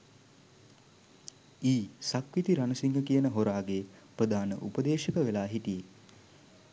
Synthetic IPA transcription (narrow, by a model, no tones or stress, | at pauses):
iːsakʋit̪iɾanəsiŋɡəkijənəɦoɾaːɡeprəd̪ʱaːnə̰ʔupəd̪eːʃəkəʋelaːɦit̪ije